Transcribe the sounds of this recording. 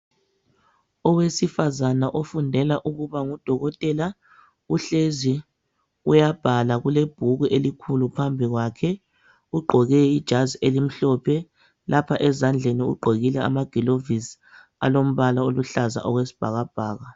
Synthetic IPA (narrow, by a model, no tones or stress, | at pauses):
ɔwesifazanaʔofundʱɛlaʔuɣuβaŋud̥ʱɔɣɔtʼɛla | uɬezi | ujab̥ʱalaɣuleb̥ʱuɣuʔelikʰulupʰambʱiɣwakʰɛ | uɡ͡ǃʱɔɣɛid̥ʒ̥ʱaziʔelim̩ɬɔpʰɛ | lapʰaʔɛzand͡ɮʱeniṵɡ͡ǃʱoɣilɛa̰maɡ̥ʱilovis | a̰lom̩βalaoluɬaza̰ʔɔɣwesi̥b̥ʱaɣab̥ʱaːɣa